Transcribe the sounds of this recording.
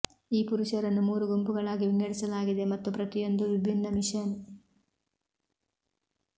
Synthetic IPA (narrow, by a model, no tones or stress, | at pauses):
iːpuɾuʂɐɾɐnːumuːɾuɡumpuɡɐɭaːɡiʋiŋːɐɽisɐlaːɡid̪e̞mɐt̪ːupɾɐt̪ijo̞nd̪uʋibʱinːɐmiʂɐn